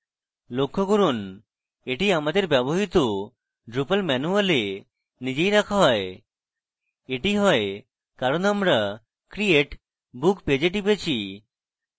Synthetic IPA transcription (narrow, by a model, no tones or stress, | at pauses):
lokʰːokoɾun | eʈiamad̪eɾbɛboɦit̪o | ɖɾupalmɛnuale | nid͡ʑejɾakʰaɦɔe | eʈiɦɔe | kaɾonamɾa | kɾieʈ | bukped͡ʑeʈipet͡ɕʰi